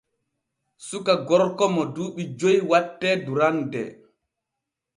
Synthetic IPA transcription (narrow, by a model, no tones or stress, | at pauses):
sukaɡɔɾkɔmɔduːɓid͡ʒojwatːɛduɾandɛ̰